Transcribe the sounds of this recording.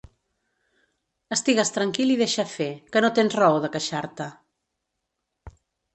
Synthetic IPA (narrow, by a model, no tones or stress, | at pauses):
əst̪iɣəst̪ɾəŋkiliðeʃəfekənot̪enzrəoðəkəʃaɾt̪ə